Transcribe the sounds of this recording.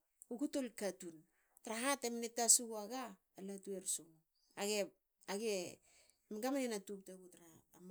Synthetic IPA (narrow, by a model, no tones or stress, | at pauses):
uɡutolkatun | taɾaɦatemnetasuɡuaɡaː | latueɾsuɡu | aɡe | aɡe | mɡamanenatup̚taɡutaɾaːm